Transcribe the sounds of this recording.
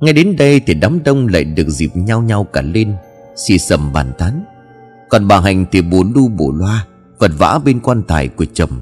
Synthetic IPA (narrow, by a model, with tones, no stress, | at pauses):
ŋa˧jɗe˨˦nɗə˧jt̪ʰi˨˩ɗaː˨˦mɗə˧wŋ͡mla̰ː˧˨jɗɨ˨˩ək̚zḭ˨˩p̚ɲa˧wɲa˧wkaː˧˩le˧n | sḭ˧˩sə˧˩mɓaː˧˩nt̪aː˨˦n | kɔ˨˩nɓaː˨˩ɦa˨˩jŋ̟t̪ʰi˨˩ɓo̰˧˩lu˧ɓo˧˩lwaː˧ | və˨˩t̚va̰ː˧˥ɓe˧nkwaː˧nt̪aː˧˩jku˧˩ət͡ɕə˧˨˩m